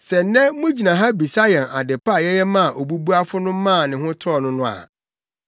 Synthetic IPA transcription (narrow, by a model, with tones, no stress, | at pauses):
sɛ˨n˦nɛ̃˦mʊ̃˦d͡ʑi˨nã˨ɦa˦bi˨sa˦jɛ̃˨na˨dɪ˨pʰa˦˨jɛ˦jɛ˦mã˦a˨ʔo˨bu˦bu˦a˦fʊ˦nʊ̃˦mã˦˨nɪ̃˨ɦʊ̃˦tʰɔ˦˨nʊ̃˦nʊ̃˦a̰˨